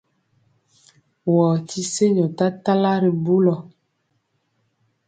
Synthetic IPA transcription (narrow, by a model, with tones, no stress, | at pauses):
wɔː˨tʰi˦se˦ɲɔ˨ta˦ta˦la˦ɾi˨bu˦lɔ˨